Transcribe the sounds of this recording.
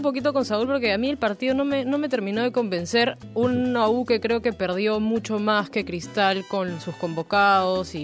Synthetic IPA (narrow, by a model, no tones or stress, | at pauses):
mpo̞k̬it̪o̞ko̞nsaulpo̞ɾke̞amie̞lpaɾt̪ið̞o̞no̞me̞no̞me̞t̪eɾmĩno̞ð̞e̞ko̞mbe̞nse̞ɾ | unauke̞kɾe̞o̞ke̞pe̞ɾð̞jo̞mut͡ʃo̞maske̞kɾist̪alko̞nsusko̞mbo̞kaðosi